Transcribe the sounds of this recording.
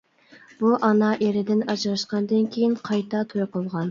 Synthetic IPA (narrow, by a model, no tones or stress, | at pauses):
b̥uʔɑnɑʔeɾɪd̪ɪnɑd͡ʒɾɑʃqɑnd̪ɨnkʲʰejinqʰɑjt̪ʰɑt̪ʰojqolˠʁɑn